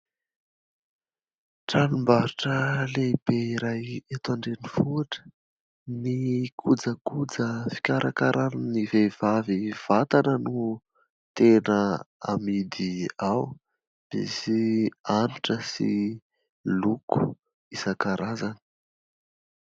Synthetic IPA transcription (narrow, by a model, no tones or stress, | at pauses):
ʈ͡ʂanimbaɾiʈ͡ʂəleib̥eiɾajet̪aɳɖ͡ʐenifuaʈ͡ʂə̥ | nikʰud͡zəkud͡zəfi̥kʲaɾʔakaɾʔaninivev̥aviv̥at̪anənu | t̪enəa̰mid̪iaw | b̥ḛsianiʈ͡ʂəsḭ | luku̥ | isəkaɾʔazani̥